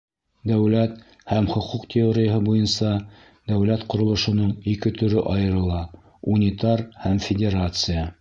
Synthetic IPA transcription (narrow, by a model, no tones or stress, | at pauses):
d̪æwlæt̪ | hæmχŏquqt̪ʲɪoɾʲɪjəɦɤbujɤnsɑ | d̪æwlæt̪qŏɾŏlˠɤ̆ʃŏnɤɴikɘt̪ɵ̆ɾɵʔɑjɤ̆ɾɤ̆lˠɑ | unʲit̪aɾhæmfʲɪdʲeɾat̪sɨja